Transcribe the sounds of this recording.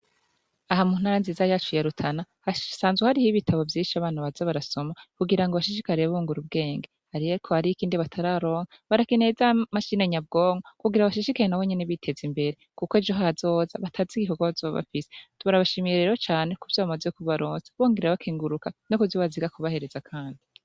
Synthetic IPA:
aɦamun̥aɾanzizajat͡ʃujaɾutʰanahasaːnzɡehaɾihiβitʰaβo̞vjiːʃiaβaːnaβazaβaɾaso̞makuɡiɾaŋɡoβaʃiʃikaɾiɾeβuːŋɡuɾub̚ɡe̞ːŋɡehaɾijeikʰohaɾiikiːndiβatʰaɾaɾo̞ːŋaβaɾakine̞zamaʃineɲab̚ɡo̞ːŋokuɡiɾaβaʃiʃikajenawe̞ɲe̞neβitʰe̞zimbe̞ɾe̞kukoed͡ʒoɦaazo̞ːzaβatʰaziɡiɦoɡoazoββa̰fisetuβaɾaβaʃimiɾeɾeot͡ʃaːne̞kuvjoβamazekuβaɾoːnzeβoːŋɡeɾaβakʰiːŋɡuɾukanokuzoβaziɡakuβahe̞ɾe̞zakʰaːndi

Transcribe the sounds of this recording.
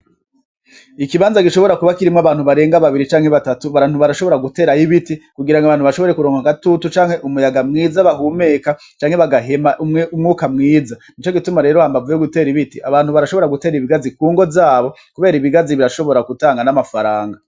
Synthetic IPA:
ikiβaːnzaɡiʃo̞βo̞ɾakuβakiɾimŋaβaːn̥huβaɾe̞ːŋɡaβaβiɾit͡ʃaːŋhe̞βatatuβaɾaːn̥uβaɾaʃo̞βo̞ɾaɡute̞ːɾajiβitikuɡiɾaŋɡaβaːnhuβaʃo̞βo̞ɾe̞kuɾo̞ːŋɡakatutut͡ʃaːŋ̥he̞ʔumujaɡamŋiːzaβaɦuːmeːka | t͡ʃaːŋhe̞βaɡaɦe̞maʔuumŋuːkamŋiːzanit͡ʃo̞ɡitumaɾe̞ːɾohaːmbavujeɡute̞ːɾiβitiaβaːnhuβaɾaʃo̞βo̞ɾaɡute̞ːɾiβiɡazikuːŋɡo̞zaːβo̞ | kuβe̞ːɾiβiɡaziβiɾaʃo̞βo̞ɾakutaːŋɡanamafaɾaːŋɡa

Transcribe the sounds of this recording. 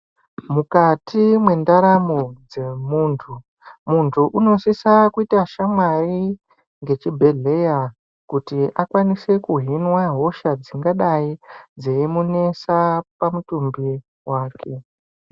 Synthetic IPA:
mukatimwe̞ndaɾamod͡ze̞muːntʰu | muntʰuʔuno̞sisakuitaʃamwari | ŋɡe̞t͡ʃibʱe̞ɮe̞ja | kutiʔakwanise̞kuɦinwaɦo̞ʃad͡ziŋɡaɗaid͡zeimune̞sapamutumbi | waːkʰe̞

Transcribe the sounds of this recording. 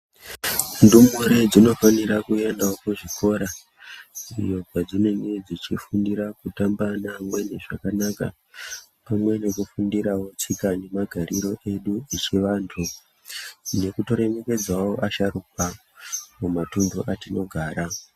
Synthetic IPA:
ndumuɾed͡zino̞faniɾakue̞ndaokuʐikʰo̞ɾa | ḭjo̞ɡad͡zine̞ŋɡe̞d͡zit͡ʃifundiɾakutambanamwe̞neʐakanaka̰ | pamwe̞ne̞kufundiɾawo̞t͡sikane̞maɡʱaɾiɾo̞ʔe̞ɗuit͡ʃeʋaːntʰu | ne̞kuto̞ɾe̞me̞ke̞d͡zwaoʔaʃaruk̚wa | mumatunduʔatino̞ɡʱaːɾa

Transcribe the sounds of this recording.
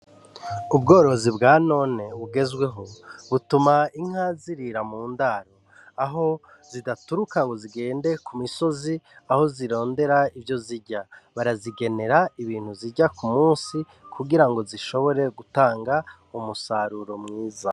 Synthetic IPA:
ub̚ɡo̞ːɾo̞zibɡaːno̞ːne̞βuɡe̞zɡwe̞ɦo̞βutumaiŋ̥haːziɾiɾamuːndaɾo̞ | aɦo̞ | z̥idatuɾukaŋɡo̞ziɡe̞ːnde̞kumiso̞ziaho̞ziɾo̞ːnde̞ɾaivjo̞ziɾɟaβaɾaziɡe̞ne̞ɾaiβiːn̥huziɾɟakumuːsi | kʰuɡiɾaŋɡo̞ziʃo̞βo̞ɾe̞ɡutaːŋɡa | umusaɾuɾo̞mŋiːza

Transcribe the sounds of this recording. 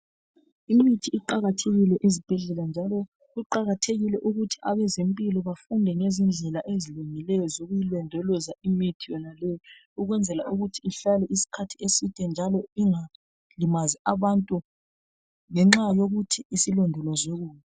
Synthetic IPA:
imitʰiiǃaɣatʰeɣilɛʔizib̥ʱɛɮɛland͡ʒʱalɔ | ɣuǃaɣatʰeɣilɛʔuɣutʰi̥ʔaβɛzimpʼilɔβafundʱɛŋezind͡ɮʱɛlaʔeziluŋilɛjɔzoɣujilwɛndʱɔlɔzaimitʰijɔnalɛj | uɣwɛnd͡zʱɛlaʔuɣutʰiiɬalɛʔisi̥kʰatʰiesitʼɛnd͡ʒʱalɔiŋa | limaziaβantʼu | ŋɛŋ͡ǁajoɣutʰiːsilɔndʱɔlɔzoɣuːmɛ

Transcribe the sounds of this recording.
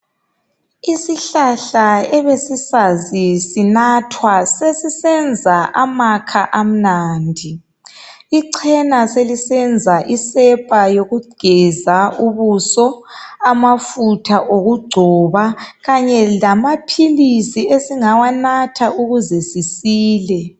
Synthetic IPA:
isiɬaɬaɛβesisazisinatʰwasesisɛnd͡zʱaʔamakʰaʔam̩naːndʱi | iǀʰɛnaselisɛnd͡zʱaʔisɛpʼajoɣuɡ͡ǀ̥ʱɛzauβusɔamafutʰaʔoɣuɡ͡ǀʱɔβaɣaɲɛlamapʰilisiesiŋawanatʰaʔuɣuzesisiːlɛ

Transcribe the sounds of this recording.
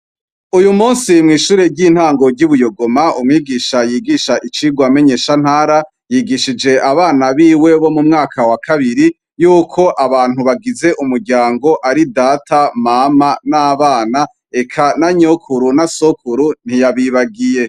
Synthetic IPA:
ujumuːnsimŋiːʃuːɾe̞ɾɟiːn̥haːŋɡo̞ɾɟuβujo̞ɡo̞maumŋiːɡiːʃajiːɡiʃaʔit͡ʃiɡwame̞ɲe̞ːʃan̥haːɾa | jiɡiʃid͡ʒe̞ʔaβaːnaβiːwe̞βo̞mumŋaːkʰawakʰaβiɾi | juːkʰo̞ʔaβaːn̥uβaɡize̞ʔumuɾɟaːŋɡo̞ʔaɾidatʰamamanaːβaːna | e̞kʰanaɲokʰuɾunasokʰuɾun̥ijaβiβaɡije̞

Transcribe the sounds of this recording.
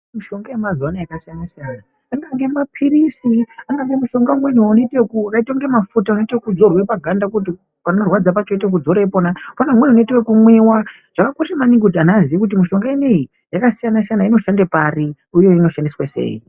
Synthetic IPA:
muʃo̞ŋɡajemazuanajakasijanasijana | aŋɡaŋɡe̞mapʰiɾisiaŋɡaŋɡe̞muʃo̞ŋɡamwenuunoitekuakaitwaŋɡe̞mafutaunoitekud͡zo̞rwe̞paɡʱandakut̬i | panorwad͡zapat͡ʃo̞tek̬ud͡zo̞ɾeponapanemwenuunoitewokumwiːwa | ʐ̥akakoʃamaniŋɡudʱanaziʋekut̬imiʃo̞ŋɡaenei | jakasijanasijanaino̞ʃandepari | uje̞ino̞ʃandiswase̞̰ːḭ

